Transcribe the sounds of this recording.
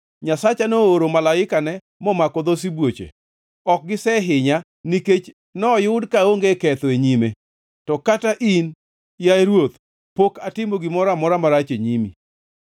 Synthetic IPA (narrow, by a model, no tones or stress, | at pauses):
ɲasat͡ʃanooɾomalaɪkanɛ | mɔmakɔd̪os̬ibwot͡ʃḛ | ɔk̚ɡɪsɛɦɪɲa | niket͡ʃ | nɔjʊdkaoŋɡekɛt̪ɔeɲime | tɔkataʔin | jaɾwot̪ | pokatɪmoɡɪmɔɾamɔɾamaɾat͡ʃeɲimḭ